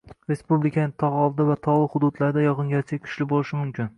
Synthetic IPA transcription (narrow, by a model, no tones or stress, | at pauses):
ɾe̞spublɪkʲʰanɪt̪ʰɒʁɒlˠd̪ɪvat̪ʰɒlˠɪχʊd̪ʊd̪laɾd̪ajɒʁɨŋʲat͡ʃʰakʲʰʊ̥ʃlɪbolˠɪʃɪmʊmkʲɪn